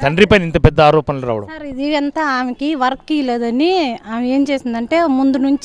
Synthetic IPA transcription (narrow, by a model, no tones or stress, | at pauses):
t̪ɐɳɖɾipɐjnint̪ɐpɛd̪ːɐaːɾɔːpɐnɐlɐɾa̰ːʋɐɽɐ̰sɐɾid̪iɛnt̪ɐaːmɐkiʋɐɾɐkːileːd̪ɐniaːmeːmt͡ʃeːsind̪ɐɳʈe̞ːmund̪unuɲt͡ʃi